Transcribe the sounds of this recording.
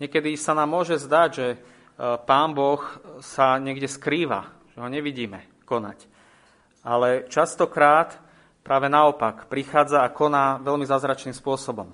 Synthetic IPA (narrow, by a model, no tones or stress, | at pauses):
ɲɛkɛd̪isanaːmːʊɔʒɛzd̪aɟʒɛ | paːmbɔxsaɲɛɡɟɛskɾiːʋa̰ | ʒ̥ɛɦɔɲɛʋiɟiːmɛ | kɔna̰c | ʔalɛt͡ʃast̪ɔkɾaːt̪ | pɾʔaːʋɛnaɔpakpɾixaːd͡zaːkɔnaːʋɛlmizaːzɾat͡ʃniːmspʊɔsɔbɔm